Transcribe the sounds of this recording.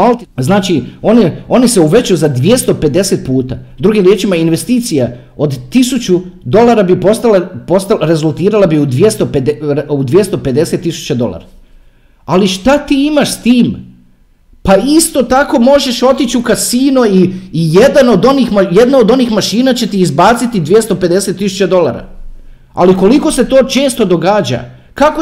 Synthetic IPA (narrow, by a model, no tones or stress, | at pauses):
alznaːt͡ʃio̞ːnio̞niseuʋe̞t͡ɕujuzad̪ʋje̞st̪o̞pe̞d̪e̞set̪̚puːt̪a̰d̪ɾuɡimɾjet͡ʃimainʋe̞st̪iːt̪sija | o̞d̪ːisut͡ɕud̪o̞lˠaːɾabipo̞st̪alapo̞st̪alɾe̞zulˠt̪iːɾalabiud̪ʋjest̪o̞ped̪eud̪ʋje̞st̪o̞pe̞d̪e̞se̞t̪ːisu̥t͡ɕad̪o̞lˠa̰ːɾa | aliʃt̪at̪iːimaʃst̪iːm | paist̪o̞t̪ako̞mo̞ʒe̞ʃo̞t̪it͡ɕukasiːnuiːjed̪ano̞d̪o̞nixmajed̪nao̞d̪o̞niːxmaʃiːnat͡ɕe̞t̪iːzbaːt̪sit̪id̪ʋje̞st̪o̞pe̞d̪e̞set̪ːisu̥t͡ɕad̪o̞la̰ɾa̰ | a̰liko̞liko̞se̞t̪o̞ːt͡ʃe̞ːst̪o̞d̪o̞ɡaːd͡ʑa̰ | kako